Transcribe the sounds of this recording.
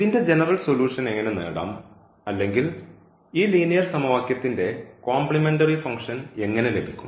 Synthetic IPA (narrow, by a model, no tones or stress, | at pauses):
iðinde̞d͡ʑe̞nɐrɐlsoluːʂɐne̞ŋːɐnenḛːɽa̰ːm | ɐlːe̞ŋɡil | iːliːnijɐrsɐmɐʋaːkjɐt̪ːinde̞koːmplime̞ndɐrifɐŋkʂɐne̞ŋːɐne̞le̞bʱikʲːu̥̰m